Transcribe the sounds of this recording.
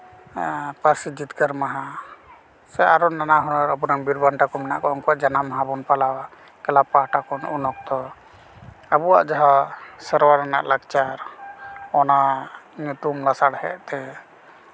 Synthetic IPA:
pəɾsid͡ʒit̪kəɾmaɦa | sɛaɾɔnanaɦɔnɔɾabuɾaŋbiɾbanʈakɔmɛna̰ʔkɔɔŋkɔwaʔd͡ʒanamaɦabɔnpalawa | kɛlapahʈakɔnunɔk̚t̪ɔ | abuwa̰ʔd͡ʒaɦãsəɾwaɾana̰ʔlaɡt͡ʃaɾ | ɔnamuʈumlasaɽhɛ̰ʔt̪ɛ

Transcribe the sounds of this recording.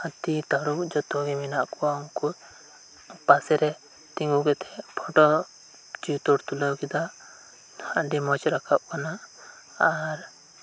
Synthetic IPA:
at̪it̪aɽuk̚d͡ʒɔt̪ɔɡɛminaʔkɔwauŋkɔ | pasɛɾɛ | t̪iŋɡuɡɛt̪ʰɛpʰɔʈɔ | d͡ʒiwt̪ɔɾt̪ulawkid̪aʔ | ɖimɔt͡ʃɾakʰaʔ̚kanaː | ɾ

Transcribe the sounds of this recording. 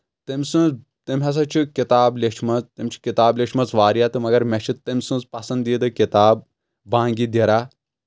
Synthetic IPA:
t̪imʲsɨ̃ | t̪imʲɦɐs̬ɐt͡ʃʰikit̪aːbleʃʰmɐt͡st̪imʲt͡ʃʰi̥kit̪aːblʲeʃʰmɐt͡sʋaːɾijat̪ɨmɐɡɐɾmɛt͡ʃʰit̪emʲsɨ̃zpɐsɐ̃nd̪iːd̪ɨkit̪aːb̚ː | ãːŋɡid̪iɾaː

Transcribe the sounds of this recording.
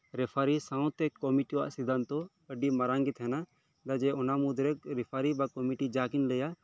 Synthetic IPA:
ɾɛpʰaɾisãw̃t̪ɛkːɔmiʈiwa̰ʔsid̪ant̪ɔ | əɖimaɾaŋɡit̪ɦɛna | d̪ad͡ʒɛɔnamud̪ɾɛk̚ɾɛpʰaɾibakɔmiʈid͡ʒakinləja

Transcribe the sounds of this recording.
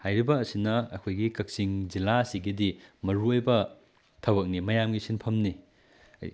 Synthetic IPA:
hajɾibɐːsinɐɐ̰kʰojɡikɐk̚siŋd͡ʒilaɐsiɡidimɐɾuojbɐ | tʰɐwɐk̚nimɐjamɡisinpʰɐmni | ɐ̰j

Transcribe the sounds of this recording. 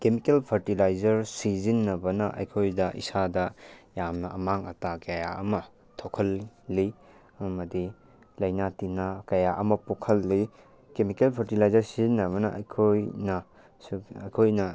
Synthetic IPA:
kemikelpʰɐɾtilajzɐɾsizinːɐbɐnɐʔɐ̰jkʰojdɐʔḭsadɐjamnɐʔɐmaŋɐ̰takɐjaɐ̰mɐ | tʰokʰɐlːi | ɐmɐdi | lɐjnatinakɐjaʔɐmɐpokʰɐlːi | kemikelpʰɐɾtilajzɐɾsizinːɐβɐnɐʔɐ̰jkʰojnɐ | ɐjkʰojnɐ

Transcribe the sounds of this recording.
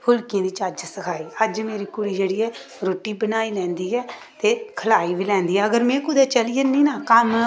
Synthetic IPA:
hʊlkɪjãːd̪iːt͡ʃəd͡ʒsəkʰaːiːəd͡ʒmeːɾiːkʊɽiːd͡ʒeːɽiːɛː | ɾoːʈiːbənaːiːlɛ̃ːnd̪iːɛː | t̪eːkʰəlaːiːbiːlɛ̃ːnd̪iːɛːəɡəɾmɛ̃ːkʊd̪ɛːt͡ʃəlijəniːnaːkəm

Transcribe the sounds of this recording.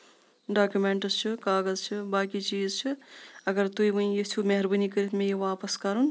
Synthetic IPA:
ɖaːkjumeɳʈəzt͡ʃʰikaːɡəzt͡ʃʰibaːkit͡ʃiːzt͡ʃʰiɐɡɐɾt̪uibəĩjit̪ʰumeɦɐɾbənikəɾit̪ʰmẽjiʋaːpɐskɐɾun

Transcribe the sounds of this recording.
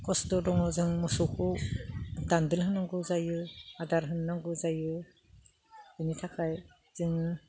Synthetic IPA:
kɔstɔdɔŋɯzɯŋmɔsukʰɔ | dandɯlɦɯnaŋɡɯzajɯadaɾɦɯnːaŋɡɯzajɯ | initʰakʰaj | zɯŋɯ

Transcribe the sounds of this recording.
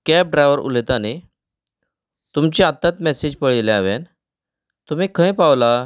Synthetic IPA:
kɛp̚ɖɾajʋəɾṵlet̪ane | t̪umt͡ɕiat̪ːat̪mɛsid͡ʑpəɭileaʋen | t̪um̤ikʰə̃jpaʋla

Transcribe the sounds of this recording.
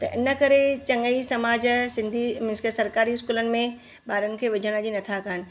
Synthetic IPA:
t̪ɐʔɪnə̆kɐɾet͡ɕɐ̃ŋɡəisɐmaːd͡ʑsɪ̃nd̪ʱimɪskəsɐɾkaːɾiɪskuːlənɪ̆mẽ | baːɾənɪ̆kʰeːʋɪd͡ʑʱəɽ̃əd͡ʑinɐt̪ʰakanɪ̆

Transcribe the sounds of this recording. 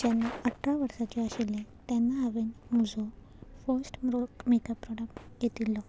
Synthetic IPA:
d͡ʑanːaəʈʰːɾaʋəɾsat͡ɕeaɕilːẽt̪janːaɦaʋenmud͡zʱɔ | fəɾsʈmɾokmekəpːɾɔɽək̚ʈjet̪ilːɔ

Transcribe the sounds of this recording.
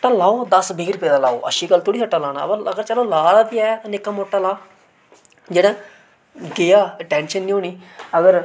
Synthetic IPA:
ʈːãːlaːoːd̪əsbʱɪːɡɾpeːd̪aːlaːo̰ːʔə̰ʃiːɡəlt̪ʰʊːɽiːsəʈːãːlaːna̰ːpəəɡəɾt͡ʃəlõːlaːɽaːd̪iaːjaːt̪ãnɪkːaːmoːʈːaːlaː | d͡ʒeːɽãː | ɡejaːʈɛ̃ːnʃənːĩːoːniːəɡəɾ

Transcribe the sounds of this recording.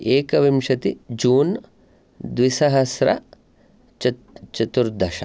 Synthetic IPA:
eːkɐʋimʃɐt̪id͡ʒuːn | d̪ʋisɐɦɐsɾɐ̰ | t͡ʃɐ | t͡ʃɐt̪uɾd̪ʱɐʃɐ̰

